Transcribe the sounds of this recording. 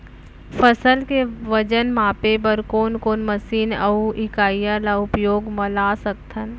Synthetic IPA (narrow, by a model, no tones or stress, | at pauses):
pʰəsəlkeʋəd͡ʒənmaːpebəɾkoːnkoːnməsiːnɐuʔɪkaːjalaʊpjoːɡməlaːsəkt̪ʰən